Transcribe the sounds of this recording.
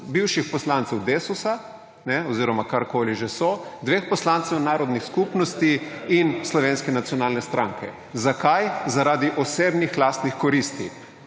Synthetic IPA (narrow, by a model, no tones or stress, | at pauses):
biwʃixpɔslant̪sɛwd̪eːsusa | nɛɔziːɾɔmakaɾkoːliʒɛsɔd̪ʋeːxpɔslant̪sɛwnaːɾɔd̪nixskupnɔst̪iinslɔʋeːnskɛnat̪sjɔnaːlnɛst̪ɾʔaŋkʰɛ̰ | zakajzaɾaːd̪iʔɔseːbnixlaːst̪nixkɔɾist̪ḭ